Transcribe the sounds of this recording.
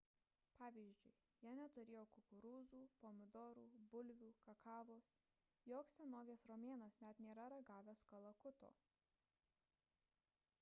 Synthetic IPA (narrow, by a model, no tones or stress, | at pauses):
pɑːʋʲiːzʲd͡ʒʲʊɪ | jɛnʲɛt̪ʊɾʲeːjoːkʊkʊɾuːzuːpoːmʲɪd̪ɔːɾuːbʊlʲʋʲuːkɐkʰɑːʋoːs | joːksʲɛnoːʋʲiːsɾoːmʲeːnɐsnʲɛt̪nʲeːɾɐɾɐɡɑːʋʲɛskɐlˠɐkʊt̪o̰ː